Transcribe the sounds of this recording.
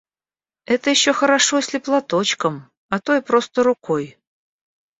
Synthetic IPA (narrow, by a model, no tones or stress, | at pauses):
ɛt̪əjɪɕːoxəɾaʂosʲlʲɪplˠat̪o̞t͡ɕkəm | ɐt̪o̞ɪpɾo̞st̪əɾʊkʰoj